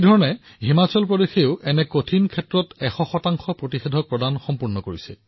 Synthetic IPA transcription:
dʱɔɹɔnɛ | ɦimat͡ɕɔlpɹɔdexeʊʔɛnɛkotʰinkʰɛtɹɔtɛxɔxɔtaŋxɔpɹotixedʱɔk̚pɹɔdanxɔmpuɹnɔkoɹisɛ̰

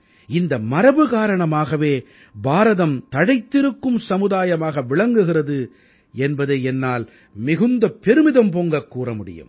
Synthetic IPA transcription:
ɪnd̪ɐmɐɾɐbɯɣaːɾɐɳɐmaːɣɐʋeː | baːɾɐðɐmt̪ɐɽɐɪt̪ːɪɾɯkːɯmsɐmɯðaːjɐmaːɣɐʋɪɭɐŋɡɯɣɪrɐðɯ | ɛnbɐðɐɛnːaːl | mɪɣɯnd̪ɐpːɛɾɯmɪðɐmpoːŋɡɐkːuːrɐmʊɽɪ̰jɯ̰m

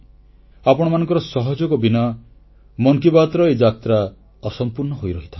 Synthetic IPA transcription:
apɔɽ̃ɔmanɔ̃ŋkɔɾɔsɔɦɔd͡ʒɔɡɔbinɔ | mɔŋkibat̪ɾɔed͡ʒat̪ɾa | ɔsɔmpuɾnɔɦojɾɔɦit̪ʰã

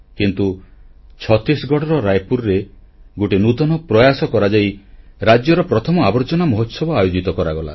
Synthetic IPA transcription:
kint̪ut͡ʃʰɔt̪ɾisɡʱɔʈɔɾɔɾajpuɾɾe | ɡoʈinut̪ɔnɔpɾɔjasɔkɔɾad͡ʒajɾad͡ʒjɔɾɔpɾɔt̪ʰɔmɔabɔɾt͡ʃɔnamɔɦot̪sɔbɔajod͡ʒit̪ɔkɔɾaɡɔla̰

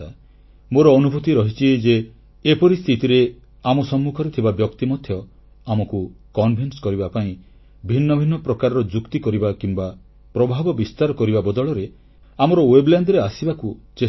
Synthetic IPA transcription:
a | moɾɔːnubʱut̪iɾɔɦit͡ʃʰied͡ʒeː | pɔɾist̪ʰit̪iɾe | amɔsɔmːukʰɔɾet̪ʰibabjɔkt̪imɔd̪ʱjɔ | amɔkukɔnbʱinskɔɾibapaĩ | bʱinːɔbʱinːɔpɾɔkaɾɔɾɔd͡ʒukt̪ikɔɾibakimba | pɾɔbʱabɔbist̪aɾɔkɔɾibabɔd̪ɔɭɔɾe | amɔɾɔwebland̪ɾeasibakut͡ʃe

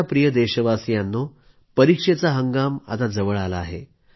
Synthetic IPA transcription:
apɾijəd̪eɕəʋasjanːo | pəɾikʂet͡saɦəŋɡama̰t̪ad͡zəʋəɭalaːɦḛ

